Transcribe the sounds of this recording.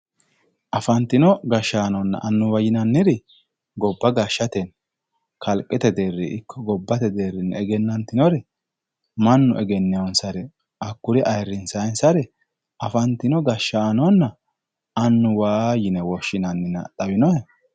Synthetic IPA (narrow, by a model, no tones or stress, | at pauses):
ʔɐfɐnt̪ːɪnɔɡɐʃːaːnɔnːɐ̰ʔɐnːʊwɐjɪnɐnːɪɾɛ | ɡɔbːɐɡɐʃːɐt̪ɛn | kʰɐlkʼːɛt̪ɛd̪erːɪʔɪkʰːɔɡɔbːɐt̪ɛd̪eːrɪnɛɡɛnːɐnt̪ːɪnɔɾɛ | mɐnːʊʔɛɡɛnːɛɔnsɐɾɛ | ɐkːʊɾɛʔɐjɾːɪnsɐjnsɐɾɛ | ɐfɐnt̪ːɪnɔɡɐʃːaːnɔnːɐ | ɐnːʊwaːjɪnɛwɔʃːɪnɐnːɪnɐ̰t̪ʼɐwɪnɔhɛ